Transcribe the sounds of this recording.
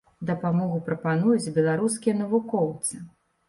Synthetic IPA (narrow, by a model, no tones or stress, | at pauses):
d̪ɐpamɔɣupɾɐpanujud͡zʲbʲɛlˠaɾus̬kʲijɐn̪ɐvukɔwt̪sɨ